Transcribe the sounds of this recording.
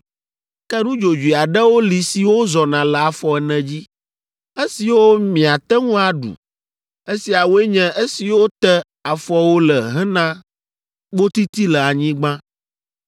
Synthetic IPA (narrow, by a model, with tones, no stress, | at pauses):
kɛ˦nũ˦d͡ʒo˨d͡ʒu˨i˨a˨ɖɛ˦wo˦li˨si˨wo˦zɔ˨nã˨lɛ˨a˨fɔ˨ɛ˨nɛ̃˨d͡ʑi˦ | e˦si˨wo˦mĩ˨a˨t̪ɛ˦ŋũ˦a˨ɖṵ˨ | e˦si˨a˨wo˦e˦ɲɛ̃˦e˦si˨wo˦t̪ɛ˦ | a˨fɔ˦wo˦lə˨ɦɛ̃˦nã˦ | ɡ͡bo˦t̪i˦t̪i˦lɛ˨a˨ɲĩ˦ɡ͡bã˦